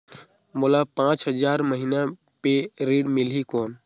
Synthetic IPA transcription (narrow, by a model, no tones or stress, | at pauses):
molapãːt͡ʃɦəd͡ʒaːɾməɦina | peɾiːɖmɪlikoːn